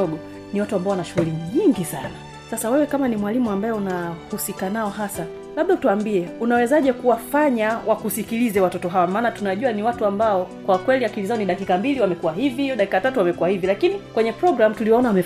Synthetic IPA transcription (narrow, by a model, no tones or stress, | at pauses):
ɔɡɔ | niwatuambaɔwanaʃuɣuliɲiŋɡisana | sasawɛwɛkamanimwalimuambaɛunahusikanaɔɦasa | laɓ̚ɗautuwaːmbiɛunawɛzaʄɛkuwafaɲawakusikilizɛwatɔtɔɦawamaːnatunaʄuaniwatuambaɔkwakwɛliakilizaɔniɗakikambiliwamɛkuwahiviɗaki̥katatuwamɛkuwahivilakinikwɛɲɛpɾɔɡɾam̩tuliɔɔnawamɛ